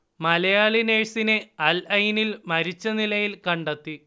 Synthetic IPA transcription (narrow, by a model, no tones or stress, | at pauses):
mɐlɐjaːɭineːɻsine̞ɐlɐjnilmɐɾit͡ɕːɐnilɐjilkɐɳɖɐt̪ːi